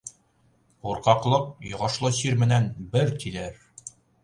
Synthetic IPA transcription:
uɾqɑqlˠɤq̚jŏʁɑʃlˠɤɕiɾmɘ̆nænbɘɾt̪ilæɾ

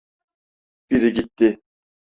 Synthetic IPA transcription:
b̥iɾiɡit̪ːi

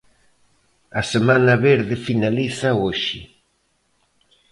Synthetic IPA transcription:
asemãnaβeɾðɪfinaliθaoʃḭ

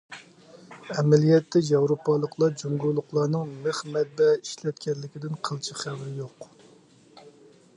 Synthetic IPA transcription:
ɛmɛlijɛt̪ːɛjɑwɾopɑlˠːəqlˠɑd͡ʒuŋɡulˠːʊqlˠɑnɨŋmɨχmɛt̪̚bɛi̥ʃlɛt̪̚kʲɛnlɪkʲid̪ɪnqʰəlˠt͡ʃʰiχæwɾɪjoq

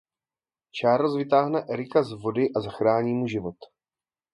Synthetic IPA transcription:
t͡ʃaːɾlozvɪt̪aːɦnɛʔɛɾɪkazvo̞dɪʔazaxɾaːɲiːmuʒɪvo̞t̪

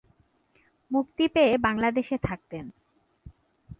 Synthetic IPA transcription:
mukt̪ipeebaŋlad̪eʃet̪ʰak̚t̪en

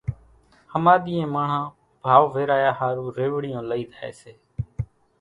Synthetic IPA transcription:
həmaːɗ̪iːẽːmaːɳ̤ãː | bʱaːʋʋeːɾaːjaːhaːɾuːɾeːʋɽɪjõːləiːd̪ʱaːḛːseː

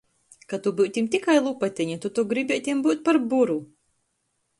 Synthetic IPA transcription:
kat̪ubɨwt̪ʲimt̪ʲikajlˠupat̪ʲiɲat̪ut̪uɡɾibʲit̪ʲimbuːt̪̚ʲpaɾbuɾu

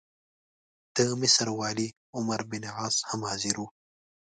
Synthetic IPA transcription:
d̪̥əmɪsɐɾwɑːli | ʊmɐɾbɪnʕɑːzhamhɑːziɾu

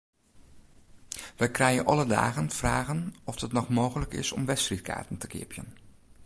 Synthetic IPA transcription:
ʋəjkrɛjənʔɑləda̰ːɣənfraːɣənɔfətnɔχmoːɣələkɪ̰sɔ̰mʋɛstrit̚ka̰ːtəntəkɪ̰əpjə̰n

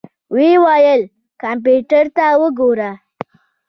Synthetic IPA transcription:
ʋiʋajəl | kampjuʈəɾt̪awəɡoɾa

